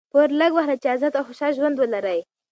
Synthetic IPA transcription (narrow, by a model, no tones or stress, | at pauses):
poɾləɡwahɾat͡ʃazat̪awxʊʃɑlʒwand̪wəlaɾəj